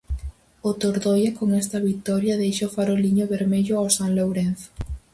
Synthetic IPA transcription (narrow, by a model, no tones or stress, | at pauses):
ot̪oɾðojakoŋɛst̪ɐβit̪ɔɾjɐðejʃaʊfaɾoliɲʊβeɾmeʎʊawsaŋlowɾenθ